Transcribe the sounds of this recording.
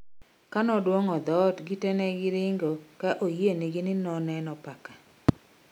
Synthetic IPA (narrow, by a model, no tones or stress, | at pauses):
kanɔdwoŋɔd̪ɔtɡɪtɛnɛɡɪɾɪŋɡokaʔojieniɡɪnɪnɔnɛnɔpaka